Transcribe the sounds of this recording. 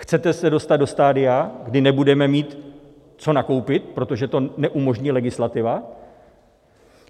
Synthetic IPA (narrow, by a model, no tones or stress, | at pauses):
xt͡sɛt̪ɛsɛdo̞st̪ad̪do̞st̪aːdɪjaɡdɪnɛbudɛmɛmiːt̪ | t͡so̞nako̞wpɪt̪̚pɾo̞t̪o̞ʒɛt̪o̞nɛʔumo̞ʒɲiːlɛɡɪslat̪ɪva